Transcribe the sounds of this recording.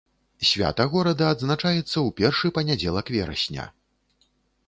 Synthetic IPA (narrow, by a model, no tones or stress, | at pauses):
sʲvʲa̰t̪ɐɣɔɾɐd̪ɐːd̪znat͡ʂajɛt̪sːɐwpʲɛrʂɨpɐnʲad͡zʲɛlˠɐkvʲɛɾɐ̰sʲnʲɐ̰